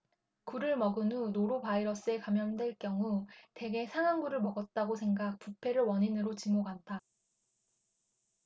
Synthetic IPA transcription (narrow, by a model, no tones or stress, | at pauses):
kuɾɯɭmʌɡɯnunoɾopaiɾʌs͈ɯe̞kamjʌndwe̞ɭk͈jʌŋute̞ɡe̞sʰaŋaŋɡuɾɯɭmʌɡʌt̚t͈aɡosʰe̞ŋɡak̚p͈upʰe̞ɾɯɭwʌɲinɯɾot͡ɕimoɡantʰa